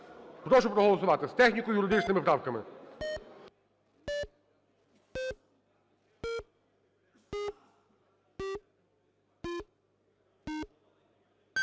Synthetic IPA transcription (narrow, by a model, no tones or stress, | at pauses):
xɾɔʂɔpɾɔɦɔlˠɔsʊʋat̪ɪst̪ɛxnʲikʊjʊɾɪd̪ɪt͡ʃnɪmɪpɾawkɐmɪ̰